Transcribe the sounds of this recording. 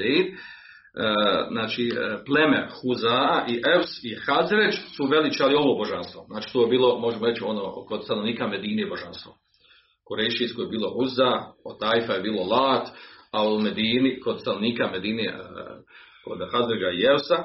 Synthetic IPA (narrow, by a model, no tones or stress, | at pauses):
eid̪ | znaːt͡ʃiple̞mḛxuzaːʔiʔewsixazɾed͡ʒsuʋe̞lit͡ʃealio̞ʋoboʒanst̪ʋo̞znaːt͡ʃi̥t̪oːjebiːlˠo̞mo̞ʒemoɾet͡ɕio̞noːko̞d̪st̪ano̞ʋniːkame̞d̪iːnebo̞ʒanst̪ʋo | koɾejʃiskojebiːlˠo̞huzaot̪ajfajebiːlˠo̞lˠaːt̪aomed̪iːniko̞d̪st̪anoʋniːkamed̪iːnḛ | kod̪hazɾed͡ʒaiewsa